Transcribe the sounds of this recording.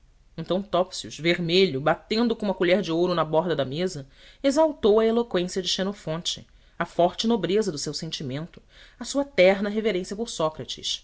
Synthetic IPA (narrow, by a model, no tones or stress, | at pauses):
ẽnt̪ɐ̃w̃t̪ɔpsiuʃveɾmeʎʊbat̪ẽnd̪ʊkõũmɐkuʎɛɾd͡ʒɪowɾʊnɐbɔɾd̪ɐd̪ɐmezɐ | ezawt̪owɐelokwẽsiɐd͡ʒɪʃenofõnt͡ʃɪ̥ | ɐfɔɾt͡ʃɪnobɾezɐd̪ʊsewsẽnt͡ʃimẽnt̪ʊ̥ | ɐsuɐt̪ɛɾnɐɦeveɾẽsiɐpʊɾsɔkɾɐt͡ʃɪ̰ʃ